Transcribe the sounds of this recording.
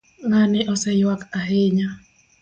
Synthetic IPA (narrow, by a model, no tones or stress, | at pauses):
ŋanɪʔɔsɛjwakaɦeɲa